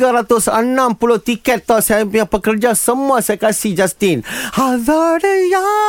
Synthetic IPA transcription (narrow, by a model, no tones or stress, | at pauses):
aɾat̪ʊsənãmpulʊht̪ikɛt̪ːɔsaapujapəkərd͡ʒasəmũasajakasihd͡ʒast̪ɪnhaðaɾəja